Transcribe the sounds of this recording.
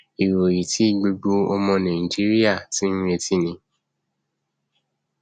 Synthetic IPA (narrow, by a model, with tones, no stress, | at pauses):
i˨ɾo˨ji˨ti˦i˦˨ɡ͡bu˧ɡ͡bu˦ɔ˧mɔ̃˧nã˨i˨d͡ʒi˦ɾi˦a˦˨tĩ˦e˧ti˦˨nĩ˧